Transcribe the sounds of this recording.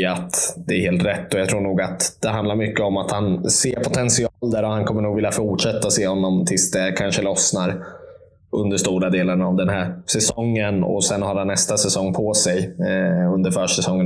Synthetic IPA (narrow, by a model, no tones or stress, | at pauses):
at̪d̪ɛːɾheːlt̪ɾɛt̪ːɔjɑɡt̪ʰɾuːɳuːɡat̪d̪̥ɛɦand̪laɾmʏkːəɔmat̪hanseːɾpʰʊt̪ʰɛnsɪɑːld̪æːɾɔhankʰɔmːəɳuːɡvɪljafʊʈʂɛt̪ːaseːhɔnːɔmt̪ʰɪlsd̪ɛkʰanʂəlɔsnaɾ | ɵnd̪əʂt̪uːɾad̪eːlənavd̪ɛnhæːɾsɛsɔŋːənɔ̰sɛnhaːɾhanːɛst̪asɛsɔŋːpʰɔsɛjɵnd̪əɾfœːʂɛsɔŋːən